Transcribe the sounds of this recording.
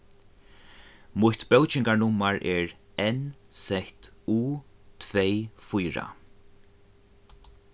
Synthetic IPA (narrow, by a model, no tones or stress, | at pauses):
mʊjht̪bɛwt͡ʃɪŋkaɹnʊmːaɹʔɛɹɛnsɛht̪uːt̪ʰvejfujɹa̰